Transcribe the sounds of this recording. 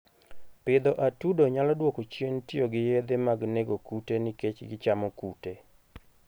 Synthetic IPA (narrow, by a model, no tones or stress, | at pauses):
pɪd̪ɔʔatudoɲalɔdwokot͡ʃentɪoɡɪjed̪emaɡneɡokutenɪket͡ʃɡɪt͡ʃamɔkute